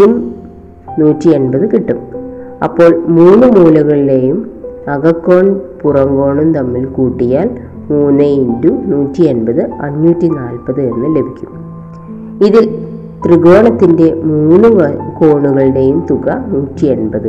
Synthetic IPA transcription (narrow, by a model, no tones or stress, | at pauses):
um | nuːtːie̞nbɐðɨkiʈːumɐ̰pːo̞ːɭmuːnːɨmuːlɐɣɐɭiɽe̞jumɐɣɐkːo̞ːɳpurɐŋɡo̞ːɳumt̪ɐmːilkuːʈːijaːl | muːnːɐindunuːtːie̞nbɐðɨɐɲːuːtːinaːlpɐðɨe̞nːɨle̞bʱikʲːum | iðil | t̪riɣo̞ːɳɐt̪ːinde̞muːnːuko̞ːɳuɣɐɭɖe̞jumt̪uɣɐnuːtːienbɐðɨ